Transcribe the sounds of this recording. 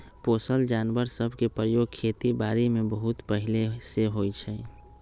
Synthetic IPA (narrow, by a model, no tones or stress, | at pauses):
poːsəld͡ʒanʋəɾsəbʱkepɾəjoɡ̚kʰet̪ibaːɾimebəɦut̪pəɦileseɦojt͡ʃʰɛ